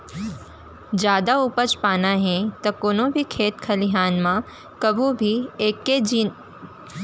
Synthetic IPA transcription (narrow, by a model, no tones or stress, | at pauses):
d͡ʒjaːd̪aupət͡ʃpaːnaɦɛ̃t̪ɐkoːnõbʱikʰeːt̪kʰɐliɦaːnmã | kɐbʱũbʱieːkːed͡ʒiːn